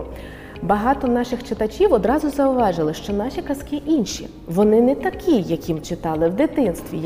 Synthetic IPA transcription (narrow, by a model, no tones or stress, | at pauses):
bɐɦɑt̪ɔnɑʃɪxt͡ʃɪt̪ɐt͡ʃʲiwɔd̪ɾɑzʊzɐʊʋɑʒɪlˠɪʃt͡ʃɔnɑʃʲikɐskɪʔinʲʃḭ | ʋɔnɪnɛt̪ɐkʲʰijːɐkʲimt͡ʃɪt̪ɑlˠɪwd̪ɪt̪ɪnst̪ʋʲḭj